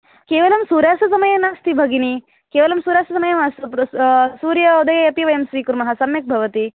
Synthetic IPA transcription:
keːʋɐlɐmsuːɾjaːsɐsɐmɐjɐnaːst̪ibʱɐɡini | keːʋɐlɐmsuːɾjaːsɐsɐmɐjɐmɐs | suːɾjɐud̪ɐjɐɐpiʋɐjɐmsʋiːkuɾmɐɦɐsɐmjɐk̚bʱɐʋɐt̪i

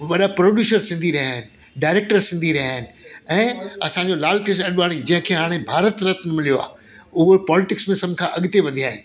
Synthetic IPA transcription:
ʋɐɗapɾoːɖjuːsəɾsɪ̃nd̪ʱiɾɐjaːɦɪnɪ̆ | ɖaːɪɾeːk̚ʈəɾsɪ̃nd̪ʱiɾɐɦjaːɦɪnɪ̆ɛ̃ːɐsãɲd͡ʑolaːlʈeʃɐɗʋaːɽ̃id͡ʑɐ̃ɦɪ̃kʰeːɦaːɽ̃ẽbʱaːɾət̪ɾɐt̪nɐmɪlijoa̰ː | ʊɦopɔːlɪʈɪksmẽsɐbɪkʰãʔɐɠɪt̪eʋɐd̪ʱiaːɦɪnɪ̆

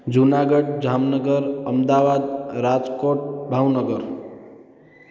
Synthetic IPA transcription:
d͡zunaɡʌɖd͡zamnʌɡʌɾʌmd̪abad̪ɾad͡zkoʈ̚bʱawnʌɡʌɾ

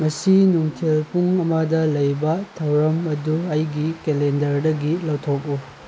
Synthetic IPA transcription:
ŋɐsinuŋtʰelpuŋɐmɐdɐlɐjbɐtʰɐwɾɐmɐduɐjɡikelendɐɾdɐɡilɐwtʰok̚lu

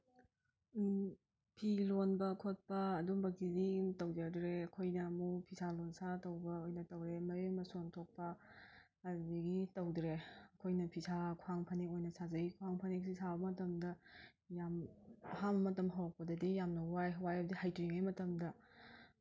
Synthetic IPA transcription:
pʰilonbɐkʰot̚pɐːduŋbɐkizitɐwd͡ʒaɡdɾeɐkʰojnɐmupʰisʰalonsʰatɐwbɐojnɐtɐwɾemɐɾemɐsontʰok̚pɐː | dbiɡitɐwdɾeɐkʰojnɐpʰisʰakʰaŋpʰɐnekojnɐsazɐɡikʰuaŋpʰɐnek̚sisʰabɐmɐtɐmdɐ | jamɐɦambɐmɐtɐmɦawak̚pɐdɐdijamnɐwajɦwajɐbdihajtuɾiŋajmɐtɐmdɐ

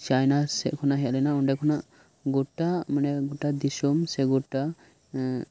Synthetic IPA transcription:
t͡ʃajnasɛʔkʰɔnaɦɛalɛnaɔɳɖɛkʰɔnaʔ | ɡɔʈamanɛɡɔʈad̪isɔmsɛɡɔʈa

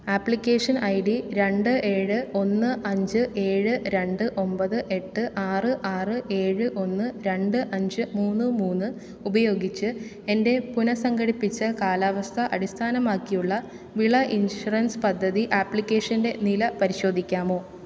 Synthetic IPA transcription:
aːpɭikʲːe̞ːʂɐnɐjɽiɾe̞ɳɖɨʔe̞ːɻɨo̞nːɨʔɐɲd͡ʑɨʔe̞ːɻɨɾe̞ɳɖɨʔo̞mbɐðɨʔe̞ʈːɨʔaːrɨʔaːrɨʔe̞ːɻɨʔo̞nːɨɾe̞ɳɖɨʔɐɲd͡ʑɨmuːnːɨmuːnːɨ | ubɐjo̞ːɡit͡ɕːɨ | e̞nde̞punɐsɐŋɡɐɽipːit͡ɕːɨkaːlaːʋɐst̪ʰɐʔɐɽist̪ʰaːnɐmaːkːijuɭːɐ | ʋiɭɐʔinʂurɐnspɐd̪ʱːɐðiʔaːpɭikʲːe̞ːʂɐnde̞nilɐpɐɾiɕo̞ːd̪ʱikʲːaːmo̞ː

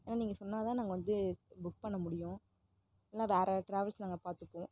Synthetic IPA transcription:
eːnaːniːŋɡɐsɔnːaːt̪ãːnaːɡɐʋɐnd̪ɯbʊk̚pɐɳːɐmʊɽɪjʊ̃ː | ɛlːãːʋeːɾɛʈɾeːʋɪlsnaːŋɡɐpaːɾt̪ɯpːõː

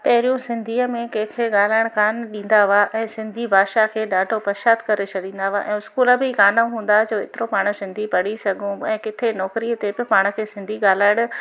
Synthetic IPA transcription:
pɐɦɾijũsɪ̃nd̪ʱiːəmẽkẽkʰeɠaːl̤aːɪɽ̃kaːnɗĩːn̆d̪aʋaʔɛ̃ːsɪ̃nd̪ʱibʱaːʃakʰeːɗaːɖʱopɐɾʃaːd̪kɐɾet͡ɕʰɐɗĩːnd̪aʋaʔɛ̰̃ːʊskuːləbɪkaːnaɦũːn̆d̪ad͡ʑoːɪt̪ɪɾopaːɽ̃sɪ̃nd̪ʱipɐɽisɐɡʱũɛ̃ːkɪt̪ʰenɔːkɾiət̪ebɪpaːɽ̃ə̆kʰeːsɪ̃nd̪ʱiɠaːl̤aːɪɽ̃

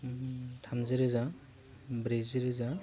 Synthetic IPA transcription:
tʰamzɯɾɯza | bɾeziɾɯza

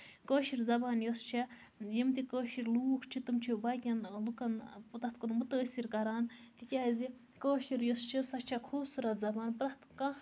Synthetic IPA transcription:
koːʃiɾzɐbaːnjost͡ʃʰe | jimt̪ikoːʃiɾlukʰt͡ʃʰit̪ɨmt͡ʃʰibɐkʲɐnlukɐnpt̪ɐt̪kunmut̪əːsʲiɾkɐɾaːnt̪ikʲaːzi | koːʃiɾjost͡ʃʰisɐt͡ʃʰakʰuːbsuɾɐt̪zɐbaːnpɾɐt̪kɐ

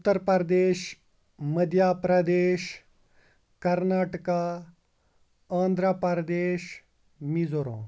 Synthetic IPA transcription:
ut̪ːɐɾpɐɾd̪eːʃ | mɐd̪ijaːpɾɐd̪eːʃ | kɐɾnaːʈka | ãːnd̪ɾaːpɐɾd̪eːʃ | mizoɾõ̰ː

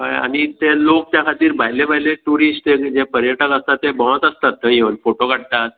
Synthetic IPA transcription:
əa̰ɽ̃it̪elok̚t̪jakʰat̪iːɾbʱajlebʱajleʈuɾisʈ̪ekd͡ʑepəɾjəʈəkəst̪at̪ːebɔə̃t̪əst̪at̪ːəjenfoʈokaɽt̪at̪̚

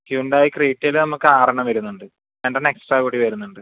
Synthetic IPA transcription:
kjuɳɖaːjikriːʈːelnɐmukːɨaːrɐɳɐmʋɐɾunːuɳɖɨ | enɖeneksʈraːkoːɽiʋɐɾunːuɳɖɨ

